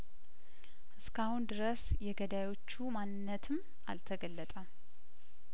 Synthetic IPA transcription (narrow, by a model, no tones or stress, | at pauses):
ʔɨskʰahund̪ɨɾəsjɛɡəd̪ajo̞t͡ʃːumanɨnːət̪ʰɨm | a̰lt̪ʰəɡəlːət̪ʼə